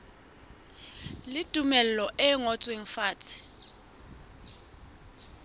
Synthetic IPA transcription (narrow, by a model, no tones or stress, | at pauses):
lɪd̥ʱumɛlɛlɔʔɛŋɔt͡sʼweŋ̩faːtʰɪ̥